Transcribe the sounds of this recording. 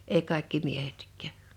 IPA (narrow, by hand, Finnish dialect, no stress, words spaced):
ei kɑˑe̝kːi miehetkˑæˑ